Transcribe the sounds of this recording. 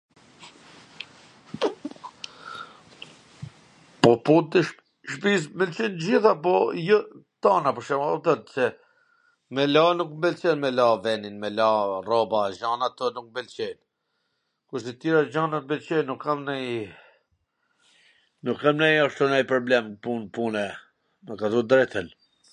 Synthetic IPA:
pɔput̪əʃ | ʃpismɛlt͡ʃinəd͡ʑiθapɔjɔt̪anapɔɾʃɛmaɔt̪ət̪sɛ | mɛlanukmbɛlt͡ʃɛnmɛlavɛninmɛlarɔbaʒanat̪ɔnuk̚mbɛlt͡ʃɛn | kuɾsɛt̪iɾad͡ʑanat̪mbɛlt͡ʃɛnukʰːamnɛj | nukːamnɛjaʃt̪ɔnɛjpɾɔblɛmpunpunɛ | məkat̪ud̪ɾɛt̪ʰən

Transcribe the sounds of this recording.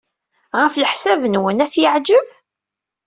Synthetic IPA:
ʁəfləħsævənwənæθjəʕd͡ʒəv

